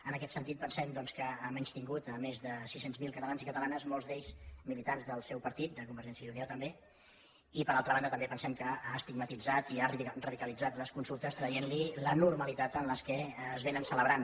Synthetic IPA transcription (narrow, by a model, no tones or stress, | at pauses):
ənəkɛt̪sənt̪it̪̚pənsɛmd̪ɔnskəəmɛɲst̪iŋɡut̪əmezðəsisenzmilˠkət̪əlanzikət̪əlanəzmɔlˠzd̪eʎzmilit̪anzðəlˠsɛwpəɾt̪it̪̚d̪əkumbəɾʒɛnsjəuniot̪əmbe | ipəɾalˠt̪ɾəβand̪ət̪əmbepənsɛmkəast̪iɡmət̪id͡zat̪iarəðikəlid͡zat̪ləskunsulˠt̪əst̪ɾəjenlilənuɾməlit̪at̪ənləskɛːzβenənsələβɾan